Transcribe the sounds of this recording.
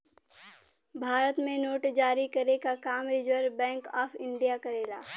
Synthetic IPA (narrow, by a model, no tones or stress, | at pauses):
bʱaːɾət̪mẽnoːʈd͡ʒaːɾikɐɾekakaːmɾɪd͡ʒəɾbɛ̃ːŋkaːpʰɪ̃ɳɖijakɐɾeːla̰ː